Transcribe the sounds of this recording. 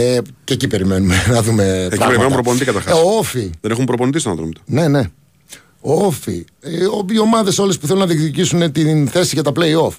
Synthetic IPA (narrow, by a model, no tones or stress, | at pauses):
cecipe̞ɾime̞numenɐðume̞epɐiɣpeɾimenumɐpɾop̬onit̪ikɐt̪ɐɾxɐsofiðenexumpɾoponit̪ist̪oɐnθɾo̰mt̪o̥ne̞ne̞ | ofḭ | oio̞mɐðe̞so̞le̞spuθe̞lunɐðikt̪icisunt̪inθe̞siʝɐt̪ɐpleio̞f